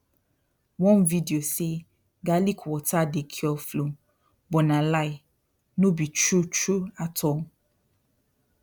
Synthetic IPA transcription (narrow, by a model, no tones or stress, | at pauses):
wɔ̃nvidiose | ɡalikʰwɔtadekʰiɔflõ | bɔnãlai | nõbit͡ʃɹut͡ʃɹuatʰɔ